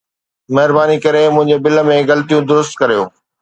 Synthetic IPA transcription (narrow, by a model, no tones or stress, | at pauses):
mɐɦɪɾbaːnikɐɾemʊ̃ɦɪ̃ɲd͡ʑebɪlə̆mẽɣɐlt̪ijũd̪ʊɾʊst̪kɐɾijo̰ː